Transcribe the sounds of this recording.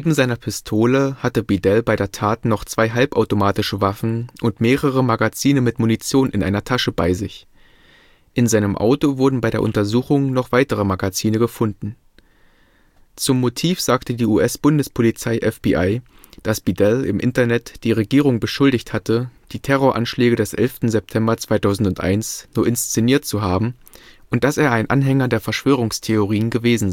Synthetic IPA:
neːbm̩zaɪnɐpʰɪstʰoːləhatəbidɛlbaɪɾeːɐtʰaːtnɔχt͡sv̥aɪɦalpʔaʊtomaːtɪʃəvafn̩ʔʊntmeːʁəʁ̞əmaɡat͡siːnəmɪtmunit͡sjoːnʔɪnʔa̰ɪnɐtʰaʃəba̰ɪzɪç | ʔɪnzaɪnəmʔa̰ʊtovʊɐdn̩baɪɾeːɐʔʊntɐzuːxʊŋnɔχv̥aɪtəʁ̞əmaɡat͡siːnəɡəfʊndn̩ | t͡sʊmːotʰiːfz̥aːktədiːuːʔɛsb̥ʊndəspʰolit͡saɪʔɛfb̥iʔaɪ | d̥asb̥idɛlɪ̰mʔɪ̰ntɐnɛtd̥iːʁ̞eɡiːʁ̞ʊŋbəʃʊldɪçthatəd̥iːtʰɛʁ̞oːɐʔa̰nʃlɛːɡədɛsʔɛ̰lftn̩zɛp̚tʰɛmbɐt͡sv̥aɪtʰaʊzn̩tʊntʔa̰ɪnsnuːɐʔɪnst͡seniːɐtt͡suɦaːbm̩ | ʔʊnt̚d̥aseːɐaɪnʔa̰nɦɛŋɐdeːɐfɛɐʃv̥øːʁ̞ʊŋstʰeoʁiːənɡəveːzn̩z

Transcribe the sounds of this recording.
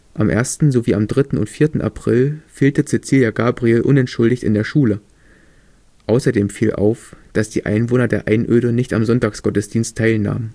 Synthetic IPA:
ʔamʔḛːɐstn̩zoviːamdʁɪtn̩ʊ̰ntfiːɐtn̩ʔa̰pʁ̥ɪlfeːltət͡seːt͡siːljaɡaːbʁielʔʊnɛntʃʊldɪçtɪ̰ndeːɐʃuːlə | ʔaʊsɐdeːmfiːlʔa̰ʊfd̥asd̥ḭːʔa̰ɪnvoːnɐdeːɐʔa̰ɪnʔøːɾənɪçtamzɔntaːksɡ̥ɔtəsd̥iːnstʰːaɪlna̰ːmən

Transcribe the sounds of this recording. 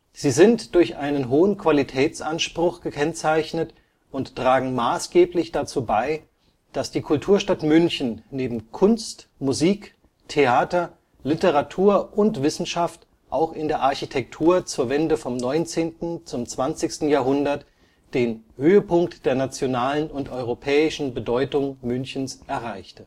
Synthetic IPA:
z̥iːzɪntd̥ʊɐçʔaɪnənɦoːənkv̥alitʰɛːt͡sʔanʃpʁ̥ʊxɡ̥əkʰɛnt͡saɪçnət | ʔʊnttʁ̥aːɡŋ̩maːsɡ̥eːplɪçd̥at͡suːbaɪ | d̥asd̥iːkʰʊltʰuːɐʃtatmʏnçn̩neːbm̩kʰʊnstmuziːk | tʰeaːtɐ | lɪtəʁatʰuːɐʔʊntv̥ɪsn̩ʃaft | ʔaʊxɪndeːɐʔaɐçitʰɛk̚tʰuːɐt͡suːɐvɛndəfɔmnɔʏnt͡seːntn̩t͡sʊmt͡sv̥ant͡sɪçstn̩jaːɐɦʊndɐt | d̥eːnhøːəpʊŋktd̥eːɐnat͡sjonaːlənʊntʔɔʏʁopʰɛːɪʃn̩bədɔʏtʊŋmʏnçn̩sʔɛɐʁaɪçtə

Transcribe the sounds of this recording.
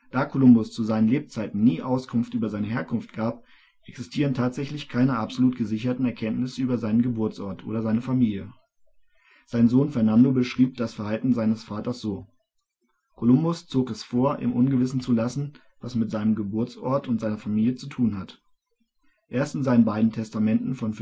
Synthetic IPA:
d̥aːkʰolʊmbʊst͡suzaɪnənleːp̚t͡saɪtn̩niːʔaʊskʰʊnftʔyːbɐzaɪnəheːɐkʰʊnftɡ̥aːp̚ | ʔɛksɪstʰiːʁəntʰaːtz̥ɛçlɪçkʰaɪnəʔapz̥oluːtɡ̥əzɪçɐtn̩ɛɐkʰɛntnɪsəyːbɐzaɪnənɡəbʊɐt͡sʔɔɐtʔo̰ːɾɐzaɪnəfamiːljə | z̥aɪnzoːnfɛɐnandobəʃʁ̥iːp̚d̥asfɛɐhaltn̩zaɪnəsfaːtɐsz̥oː | kʰolʊmbʊst͡soːkɛsfoːɐʔɪ̰mʔʊnɡəvɪsn̩t͡sulasn̩ | vasmɪtz̥aɪnəmɡəbʊɐt͡sɔ̰ɐtʊntz̥aɪnɐfamiːljət͡sutʰuːnɦat | ʔeːɐstɪnzaɪnənbaɪdn̩tʰɛstamɛntn̩fɔnf

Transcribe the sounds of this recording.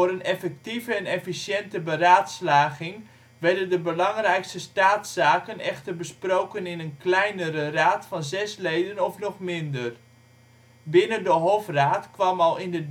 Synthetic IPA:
ɾənɛfɛk̚tivəɛnɛfisjɛntəbəraːtslaːɣɪŋ | ʋɛɹdəndəbəlɑŋrɛjkstəstaːtsaːkənɛxtərbəsprowkənɪnənklɛjnəɾəraːtfɑnzɛslejdənɔfnɔχmɪndər | bɪnəndəɦofraːtkʋɑmɑlˠɪndə

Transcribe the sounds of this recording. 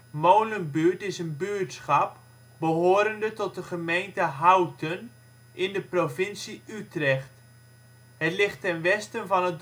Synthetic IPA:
mowlənbyəɹtɪsənbyətsχɑp̚ | bəɦoːɾəndətɔt̚dəχəmejntəɦawtən | ɪndəprovɪnsiytrɛχt | hətlɪχtːɛnʋɛstənvɑnɦət̚

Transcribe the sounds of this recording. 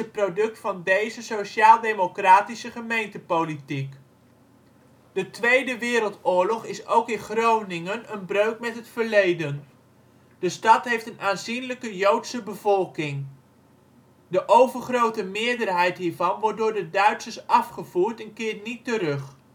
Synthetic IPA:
ət̚prodɵk̚tfɑndejzəsoʃaːlˠdejmokraːtisəχəmejntəpowlitik | d̥ətʋejdəʋɪːɾəlˠtʊːɹlɔχɪsowkɪnχrownɪŋənənbrøɥkmɛtɦətfəɹlejdən | d̥əstɑtɦejftənʔaːnzinləkəjowtsəbəvɔlˠkɪŋ | dəʔowvəɹχrowtəmɪːɹdərɦɛjtɦiːɹvɑnʋɔɹt̚dʊːɹdədœɥtsəɹsɑfχəvuːɹtɛnkɪːɹtnitərɵχ

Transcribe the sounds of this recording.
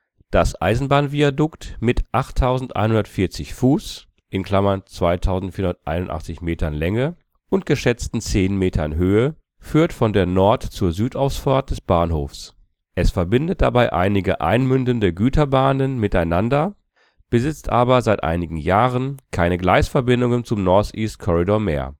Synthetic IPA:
d̥asʔa̰ɪzn̩baːnviadʊktmɪtʔaχtʰːaʊzn̩tʔa̰ɪnhʊndɐtfɪɐt͡sɪçfuːs | ʔɪnkl̥amɐnt͡sv̥aɪtʰaʊzn̩tfiːɐʊnɐtʔa̰ɪnʊntʔa̰χt͡sɪçmeːtʰɐnlɛŋə | ʔʊntɡ̥əʃɛt͡stn̩t͡seːnmeːtʰɐnɦøːə | fyːɐtfɔndeːɐnɔɐtt͡suːɐzyːtʔaʊfsfaɐt̚d̥ɛsb̥aːnho̰ːfs | ʔɛsfɛɐbɪndət̚d̥a̰baɪʔa̰ɪnɪɡəʔa̰ɪnmʏndəndəɡyːtʰɐbaːnənmɪtaɪnandɐ | b̥əzɪt͡stʔaːbɐzaɪtʔa̰ɪnɪɡŋ̩jaːʁənkʰaɪnəɡlaɪsfɛɐbɪndʊŋənt͡sʊmnɔɐtʔiːst̚kʰɔʁidoɐmḛːɐ

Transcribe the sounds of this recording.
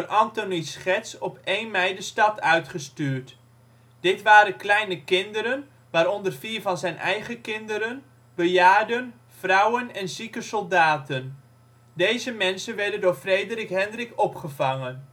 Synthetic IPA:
ərʔɑntonisχɛtsɔpejnmɛjdəstɑtʰœɥtχəstyːɹt | d̥ɪtʋaːɾənklɛjnəkɪndəɾən | ʋaːɾɔndərfiːrvɑnzɛjnʔɛ̰jχəkɪndəɾən | bəjaːdən | frɑwənɛnzikəsɔlˠdaːtən | dejzəmɛnsənʋɛɹdəndʊːɹfrejdərikɦɛndrɪkɔpχəvɑŋən

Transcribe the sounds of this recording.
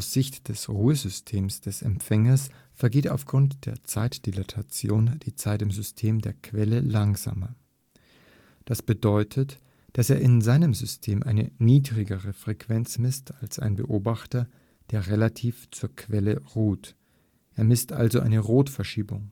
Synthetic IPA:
aʊsz̥ɪçtd̥ɛsʁuːəzʏstʰeːmsd̥ɛsɛ̰mfɛŋɐs | fɛɐɡeːta̰ʊfɡ̥ʁʊntd̥eːɐt͡saɪtd̥ilatʰat͡sjoːnd̥iːt͡saɪtɪmzʏstʰeːmdeːɐkʰv̥ɛləlaŋza̰ːmɐ | d̥asb̥ədɔʏtʰət | d̥aseːɐʔɪnzaɪnəmzʏstʰeːmʔaɪnə̰niːdʁɪɡəʁəfʁ̥ɛkv̥ɛnt͡smɪstʰalsʔa̰ɪnbəʔoːbaχtɐ | d̥eːɐʁelatʰiːft͡suːɐkʰv̥ɛləʁuːt | ʔeːɐmɪstʔa̰lzoʔa̰ɪnəʁoːtfɛɐʃiːbʊŋ

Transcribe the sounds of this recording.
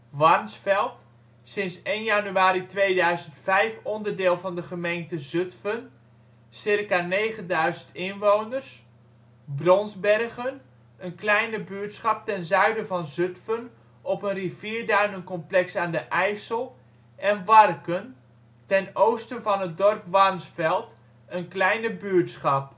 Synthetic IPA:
ʋɑrnsfɛlˠt | sɪnsejnjanyaːɾitʋejdœɥzəntfɛjfɔndərdɪːlˠvɑndəχəmejntəzøtfən | sɪrkaneːχəndœɥzəntɪnʋownərs | brɔnzbɛrɣən | ənklɛjnəbytsχɑp̚tɛnzœɥdəvɑnzøtfən | ɔpənriviːɹdœɥnənkɔmplɛksaːndəʔɛjsəlˠ | ʔɛnʋɑrkən | tɛnowstənvɑnət̚dɔrpʋɑrmsfɛlˠt | ənklɛjnəbyəɹtsχɑp̚

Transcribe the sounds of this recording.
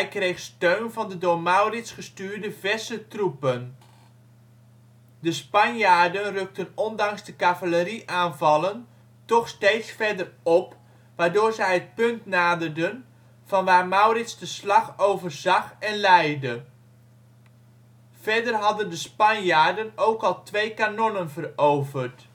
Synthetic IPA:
ɛjkrejχstøɥnvɑndədʊːɹmawrɪtsχəstyːɹdəvɛsətrupən | dəspɑnjaːɹdənrøk̚tənɔndɑŋzdəkavaləriʔaːnvɑlən | tɔχsteːtsfɛɹdərɔp | ʋaːɹdʊːɹzɛjɦət̚pɵntnaːdərdən | v̥ɑnʋaːrmawrɪtsdəslɑχowvərzɑχɛnlɛjdə | vɛɹdərɦɑdəndəspɑnjaːɹdənowkɑlˠtʋejkanɔnənvərowvərt

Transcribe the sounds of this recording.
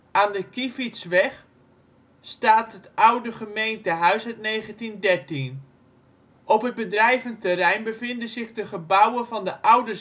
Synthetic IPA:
aːndəkifitsʋɛx | staːtɦətʔawdəχəmejntəɦœɥsœtnejɣəntindɛɹtin | ʔɔpɦət̚bədrɛjvəntərɛjnbəvɪndənzɪχdəχəbawənvɔndəʔawdə

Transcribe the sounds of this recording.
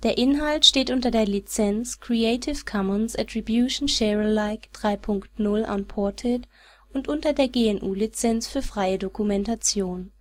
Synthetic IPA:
d̥eːɐʔɪnɦaltʃteːtʔʊntɐdeːɐlit͡sɛnt͡skʁ̥ieɪtʰɪfkʰɔmənsɛtʁ̥ibjuːʃn̩ʃɛʁəlaɪkd̥ʁaɪpʰʊŋktnʊlʔa̰npʰɔɐtʰɪt | ʔʊntʔʊntɐdeːɐɡeːɛnʔuːlit͡sɛnt͡sfyːɐfʁ̥aɪədokumɛntat͡sjoːn

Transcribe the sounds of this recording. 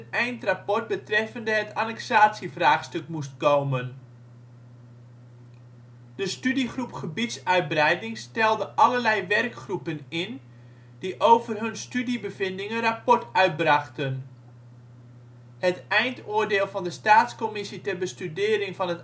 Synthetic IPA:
ənɛjntrapɔrt̚bətrɛfəndəɦətʰanɛksaːtsifraːχstɵkmust̚kowmən | d̥əstydiχrupχəbitsœɥt̚brɛjdɪŋstɛlˠdəʔɑlərlɛjʋɛrkχrupənɪn | d̥iʔowvərɦɵnstydibəvɪndɪŋənrapɔrtœɥt̚braχtən | hətɛjntoːrdeːlˠvɑndəstaːtskomɪsitɛrbəstydɪːɾɪŋfɑnət

